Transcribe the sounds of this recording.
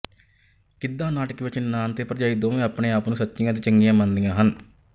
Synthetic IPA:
kɪd̪ːãːnaːʈəkʋɪt͡ʃnaːnt̪eːpɾəd͡ʒaːiːd̪oːʋẽːapɳẽːaːpnũːsətːʃɪjãːt̪̬eːt͡ʃəŋɡɪjãːmənd̪ijãːɦən

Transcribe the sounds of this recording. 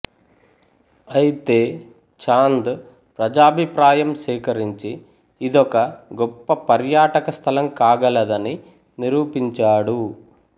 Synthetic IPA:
ɐjit̪e̞ː | t͡ʃaːnd̪ | pɾɐd͡ʒaːbʱipɾaːjɐmʃɛːkɐɾiɲt͡ʃiː | d̪ɔkɐɡɔpːɐpɐɾjaːʈɐkɐst̪ʰɐlɐmkaːɡɐlɐd̪ɐni | niɾuːpiɲt͡ʃaːɽu

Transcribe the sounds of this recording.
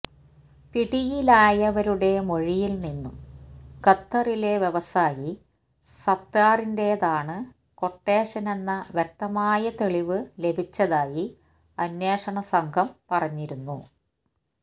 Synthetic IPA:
piɽijilaːjɐʋɐɾuɽe̞mo̞ɻijilninːumkɐt̪ːɐrile̞ʋje̞ʋɐsaːji | sɐt̪ːaːrinde̞ðaːɳɨ | ko̞ʈːe̞ːʂɐne̞nːɐʋjɐk̚t̪ːɐmaːjɐt̪eɭiʋɨle̞bʱit͡ɕːɐðaːji | ɐnjeːʂɐɳɐsɐŋɡʰʱɐmpɐrɐɲːiɾunːu

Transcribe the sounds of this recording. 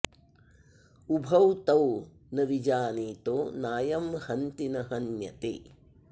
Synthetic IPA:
ubʱɐwt̪ɐw | nɐʋid͡ʒaːniːt̪oːnaːjɐmhɐnt̪inɐɦɐnjɐ̰t̪ḛː

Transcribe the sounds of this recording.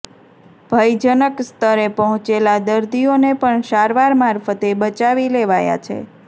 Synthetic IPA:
bʱəjd͡ʒənəkst̪ʰəɾepəɦɔ̃t͡ʃelad̪əɾd̪ionepəɳʃaɾʋaɾmaɾfət̪ebət͡ʃaʋileʋaja̰t͡ʃʰḛ

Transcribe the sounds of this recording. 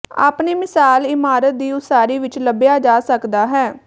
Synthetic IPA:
a̰ːpneːmɪsaːlɪmaːɾət̪̚d̪iːʊsaːɾiːʋɪt͡ʃləbjaːd͡ʒaːsəkd̪aːɦɛː

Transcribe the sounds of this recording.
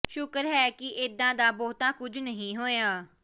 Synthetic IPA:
ʃʊkəɾɦɛːkɪʔɪd̪ãːd̪aːbɔːt̪ãːkʊd͡ʒʱnəɦĩːɦoːjaː

